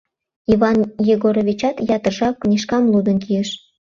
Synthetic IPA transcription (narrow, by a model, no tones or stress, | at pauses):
ivɑnjeɣoɾoβʲit͡ɕɑt̪jɑt̪ərʒɑknʲiʃkɑmlud̪ə̆nkiəʃ